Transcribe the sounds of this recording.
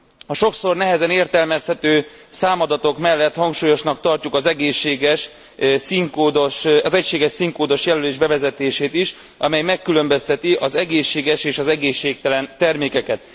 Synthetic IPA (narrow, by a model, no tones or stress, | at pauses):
ɒʃo̞kso̞rnɛɦɛzɛneːrt̪ɛlmɛshɛt̪øːsaːmɒd̪ɒt̪o̞kmɛlːɛt̪hɒŋkʃuːjo̞ʃnɒk̚t̪ɒrcukɒzɛɡeːʃːeːɡɛʃ | siŋkoːd̪oʃɒzɛcʃeːɡɛʃsiŋkoːd̪o̞ʃjɛlyleːʒbɛvɛzɛt̪eːʃeːt̪iʃ | ʔɒmɛjmɛkːylø̞mbøst̪ɛt̪iʔɒzɛɡeːʃːeːɡɛʃeːʃɒzɛɡeːʃːeːk̚t̪ɛlɛnt̪ɛrmeːkɛkɛt̪̚